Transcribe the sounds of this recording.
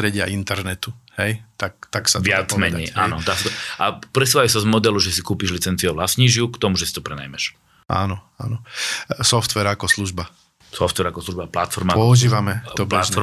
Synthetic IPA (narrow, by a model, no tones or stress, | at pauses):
t̪ɾɛɟɪaint̪ɛɾnɛt̪uhɛjt̪ak̚t̪aksaʋɪat͡smɛɲɛjʔaːnɔt̪aːsat̪ɔʔapɾɛsuʋajʊsazmɔd̪ɛluʒɛsikuːpiʒlit͡sɛnt͡sioʋlasɲiʒɪukt̪ɔmuʒɛsi̥t̪ɔpɾɛna̰jmɛʃ | ʔa̰ːnɔ | a̰nɔsɔft̪ʋɛɾakɔsluʒba | sɔft̪ʋɛɾakɔsluʒbaplat̪fɔɾmapɔuʒiːʋamɛɔplat̪fɔɾ